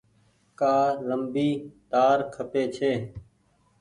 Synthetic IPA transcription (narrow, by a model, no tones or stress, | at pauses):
kaːləmbiːt̪aːɾkʰəpeːt͡ʃʰeː